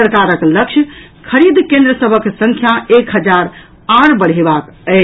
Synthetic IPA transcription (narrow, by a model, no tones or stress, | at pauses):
əɾkaɾəkləkt͡ʃʰj | kʰəɾid̪ʱkẽnd̪ɾəsəbʱəksə̃ŋkʰjaekɦəd͡ʒaɾ | ãɾbəɽ̤ɦebakə